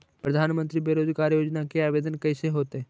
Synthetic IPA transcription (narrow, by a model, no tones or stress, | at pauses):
pɾəd̪ʱanmənt̪ɾiːbeɾod̪ʱikaɾjod͡ʑnakeaʋed̪ənkəjseɦot̪e